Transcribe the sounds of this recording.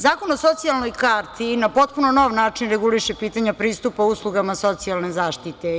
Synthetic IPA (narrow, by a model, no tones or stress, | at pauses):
zaːkonosot̪sialˠnojkaːɾt̪ʰinapo̞t̪̚punonoʋnaːt͡ʂinɾeɡuliʃepiːt̪aɲapɾiːst̪upauslˠuɡamasot̪sialˠnezaːʃt̪it̪e